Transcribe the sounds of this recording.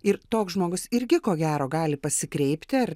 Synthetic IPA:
ɪɾt̪oːksʒmoːɡʊsɪɾʲɡʲɪkoːɡʲæːɾoːɡɑːlʲɪpɐsʲɪkɾʲɛɪpʲt̪ʲɪɐr

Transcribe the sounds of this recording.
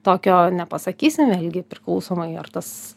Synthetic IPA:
t̪oːkʲoːnʲɛpɐsɐkʲiːsʲɪmʋʲeːlʲɡʲɪpʲɾʲɪklˠɐʊsoːmɐɪɐ̰rt̪ɐs

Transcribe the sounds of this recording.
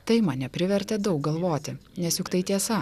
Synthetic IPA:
t̪ɐɪmɐnʲɛpʲɾʲɪʋʲɛɾʲt̪ʲɛd̪ɐʊk̚ɡɐlˠʋoːt̪ʲɪnʲɛsjʊkt̪ɐɪt̪ʲiɛsɐ

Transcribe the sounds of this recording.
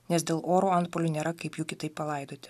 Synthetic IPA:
nʲɛsd̪ʲeːlˠʔoːɾoːɐnt̪poːlʲuːnʲeːɾɐkɐɪpjuːkʲɪt̪ɐɪpːɐlˠɐɪd̪oːt̪ʲɪ̥

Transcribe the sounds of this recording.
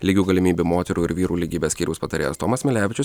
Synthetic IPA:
lʲiːɡʲuːɡɐlʲɪmʲiːbʲumoːt̪ʲɛɾuːɪɾʋʲiːɾuːlʲiːɡʲiːbʲeːsʲkʲiːɾʲɛʊspɐt̪ɐɾʲeːjɛ̰st̪oːmɐsmʲɪlʲæːʋʲɪt͡ʃʲʊs

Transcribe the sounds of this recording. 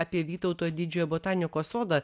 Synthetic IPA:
ɑpʲiɛʋʲiːt̪ɒʊt̪oːjd̪ʲɪd͡ʒʲoːjɛbot̪ɑːnʲɪkoːsoːd̪ɐ

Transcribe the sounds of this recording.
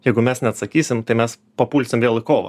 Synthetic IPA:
jɛɪɡʊmʲɛsnʲɛɐt̪sɐkʲiːsʲɪmt̪ɐɪmʲɛs | pɐpuːlʲsʲɪmʋʲeːlˠɪkoːʋɐ̰

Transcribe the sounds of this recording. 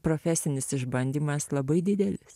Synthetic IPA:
pɾoːfʲæsʲɪnʲɪsɪʒbɐnʲd̪ʲiːmɐslˠɐbɐɪd̪ʲɪd̪ʲɛlʲɪs

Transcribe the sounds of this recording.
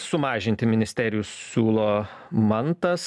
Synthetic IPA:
sʊmɑːʒʲɪnʲt̪ʲɪmʲɪnʲɪsʲt̪ʲæːɾʲɪjʊssʲuːlˠoː | mɐnt̪ɐs

